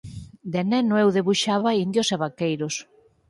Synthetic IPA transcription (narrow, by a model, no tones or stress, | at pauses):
d̪enɛnoewðeβuʃaβaind̪joseβakejɾos